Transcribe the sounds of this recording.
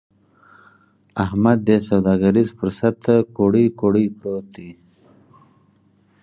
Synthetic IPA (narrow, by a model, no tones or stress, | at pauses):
ahmad̪ːesawd̪ɑːɡaɾizfəɾsat̪koɽikoɽipɾot̪i